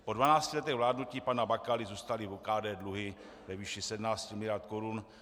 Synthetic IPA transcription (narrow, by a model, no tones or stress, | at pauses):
po̞dvanaːt͡scilɛt̪ɛɣvlaːdnuciːpanabakalizuːst̪alivokaːdɛːdluɦɪ | vɛviːʃisɛdmnaːscimɪlɪaɾt̪koɾun